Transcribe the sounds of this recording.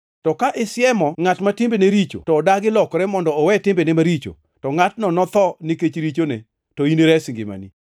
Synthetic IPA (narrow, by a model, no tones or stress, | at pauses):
tɔkaʔɪsɪɛmɔŋatmatɪmbeneɾit͡ʃo̰tɔːdaɡɪlɔkɾɛmɔndɔːwɛtɪmbenɛmaɾit͡ʃo̰ | tɔŋatnɔnɔt̪ɔnɪket͡ʃɾit͡ʃone | tɔineɾɛsŋɡɪ̰ma̰ni